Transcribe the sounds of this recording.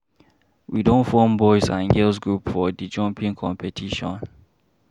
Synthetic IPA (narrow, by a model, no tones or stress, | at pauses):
widõnfɔmbɔɪsã̰nɡɛls̬ɡɹupfɔdid͡ʒɔ̃mpĩŋkʰɔ̃mpʰɛtʰiʃɔ̰̃n